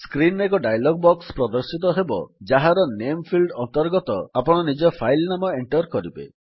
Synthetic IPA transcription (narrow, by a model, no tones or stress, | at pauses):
skɾinek̬ɔɖajlɔɡbɔkspɾɔd̪ɔɾsit̪̬ɔɦebɔ̰d͡ʒaɦaɾɔnempʰilɖɔnt̪ɔɾɡɔt̪ɔapɔɽ̃ɔnid͡ʒɔpʰajlnamɔeɳʈɔɾkɔɾibḛ